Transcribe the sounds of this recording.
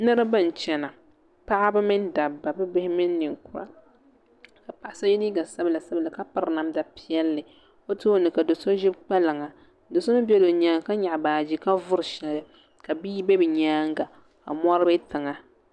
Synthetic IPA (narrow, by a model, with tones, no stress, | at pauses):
nɨ˦ɾɨ˦bɨ˦˨n˨t͡ʃɛ˨na˨ | pa˦ʔa˦bɨ˦mɨ˦n˦da˨bːa˨bɨ˦bɪ˦hɪ˦mɨ˦nː˦ɨ˨ŋku˨ɾa̰˨ | ka˨pa˨ʔa˦sa˦jɪ˦niː˦ɡa˨sa˦bla˨sa˦bla˨ka˦pa˨ɾna˦mda˨pi˦ɛ˦lːɨ˨ | o˦tɨ˦o˦nɨ˨ka˨do˨so˦ʒɪ˦bk͡pɛ˦lɨ˨ŋa˨ | do˨so˦nɨ˦bɛ˦lo˨ɲaː˨˦ŋ˨ka˦ɲa˨ʔbaː˨d͡ʒi˦ka˦vʊ˦ɾɨ˨ʃɛ˨lɨ˨ | ka˨biː˦be˦bɨ˨ɲaː˦ŋɡa˨ | a̰˨mɔ˦ɾɨ˦bɨ˦tɨ˨ŋa˨